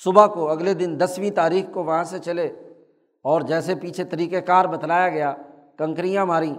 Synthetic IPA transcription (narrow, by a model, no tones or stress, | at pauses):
sʊbakoɐɡled̪ɪnd̪ɐsʋĩt̪aːɾiːxkoʋɐɦãset͡ʃɐle | ɔːɾd͡ʒɛːsepiːt͡ʃʰet̪ɐɾiːkekaːɾbɐt̪laːjaɡɐja | kɐ̃ŋkɾijãmaːɾĩː